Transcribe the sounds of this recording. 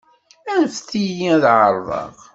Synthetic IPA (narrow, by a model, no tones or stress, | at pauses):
ænfθijiðʕəɾˤðˤɑ̰ʁ